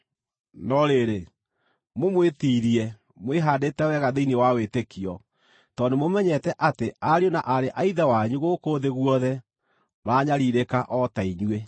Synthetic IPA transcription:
nɔɾeɾe | momwetiːɾiɛ | mweɦaːdetɛwɛɣaðeinewawetekiɔ | tɔnemomɛɲɛtɛʔateaɾionaʔaɾeʔaiðɛwaɲuɣoːkoːðeɣwɔðɛ | maɲaɾiɾekaʔɔtaiɲwe

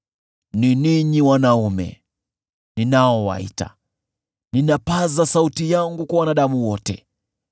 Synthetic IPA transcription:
niniɲiwanaumɛ̰ | ninaɔwa̰ḭta̰ | ninapazasautijaŋɡukwawanaɗamuwɔtɛ̰

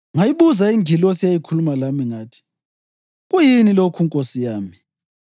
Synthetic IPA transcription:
ŋajiβuzaiŋʱilɔsijajikʰulumalamiŋaːtʰi̥ | ɣujinilokʰuŋkʼosijaːmi

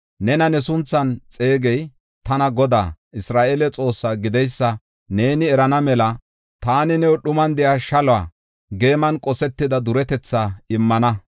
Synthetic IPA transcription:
nɛnɐnɛsʊnt͡sːɐnt͡sʼe̞ːɡɛj | t̪ɐnɐɡɔd̪a̰ːʔɪsɾaːʔelɛt͡sʼo̞ːsːaɡɪd̪ɛjsːɐ | ne̞ːnɪɛɾɐnɐmɛlɐ | t̪aːnɪnɛwɔɗʊmɐnd̪ɛjaːʃɐlaː | ɡe̞ːmɐnkʼɔsɛt̪ːɪd̪ɐd̪ʊɾɛt̪ɛt͡sːaɪmːɐnɐ

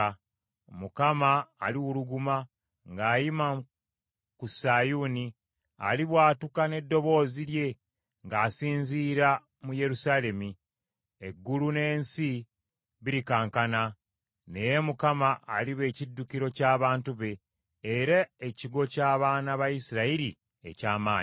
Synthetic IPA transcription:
mukamaːliwuluɡuma | ŋɡaːjima | kusajuni | a̰liβwaːtukane̞dːo̞βo̞ːzilje̞ | ŋɡaːsiːnziːɾa | muje̞ɾusaːle̞mi | eɡːulune̞ːnsi | βiɾikaːŋkana | ne̞je̞mukamaʔːliβe̞ːcidːukiɾo̞caːβaːntuβe̞ː | ɾaeciɡo̞caːβaːnaβajisiɾaiɾi | ḛcaːmaːɲi

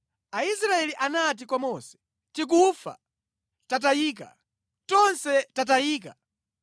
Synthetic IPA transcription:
aisɾaɛliʔanat̬ikwamɔsɛ̥ | tik̬ufa̰ | tat̬ajiːka̰ | tɔnsɛtatajiːka

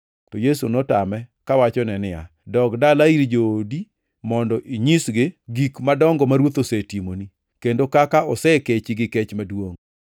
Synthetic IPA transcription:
tɔjesunɔtamɛkawat͡ʃɔnɛnɪa̰ | dɔkdalaiɾd͡ʒoːdi | mɔndɔʔiɲisɡɪɡikmadɔŋɡɔmaɾwot̪osetimoni | kendokakaɔsɛket͡ʃɪɡɪkɛt͡ʃmadwoŋ

